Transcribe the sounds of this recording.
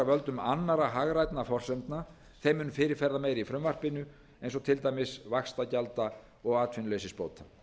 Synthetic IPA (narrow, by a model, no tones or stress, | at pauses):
avœlt̪ʏmanːaɾaɦaɣɾajt̪nafɔr̥sɛmt̪na | θejmɪnfɪːɾɪɾ̥fɛɾðameːjɾifɾʏmvar̥pɪnʏ | ejnsɔt̪ʰɪlt̪aːjmɪsvakst̪acalt̪a | ɔɣaːt̪fɪnʏlejsɪspo̰ːwt̪a